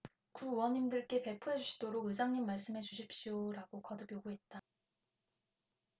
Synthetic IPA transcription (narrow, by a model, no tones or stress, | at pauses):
kuːwʌɲimdɯɭk͈e̞pe̞pʰuɦed͡ʑuɕʰi̥d̥oɾoɡɯsʰaŋɲimːaɭs͈ɯmɦe̞t͡ɕuɕʰip̚ɕ͈ioɾaɡokʌdɯk͈joɡuɦe̞t̚t͈a